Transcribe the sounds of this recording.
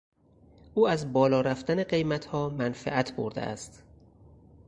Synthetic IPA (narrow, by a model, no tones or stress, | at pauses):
ʔuːæzbɒːlɒːɾæft̪æne̞ɢe̞jmæt̪hɒːmænfæ̰ʔæt̪ʰbo̰ɾd̪ḛʔæ̰st̪